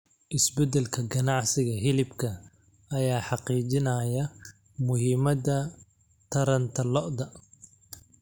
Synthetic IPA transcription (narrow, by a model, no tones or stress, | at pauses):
ʔɪsbɛd̪ɛlkʰɐɡɐnɑʕsɪɣɐɦɪlɪbkʰɐ | ɐjaːħɑqiːt͡ʃɪnɐːjɐ | mʊɦɪmɐðɐ | t̪ʰɐɾɐnt̪ʰɐlɔʔðɐ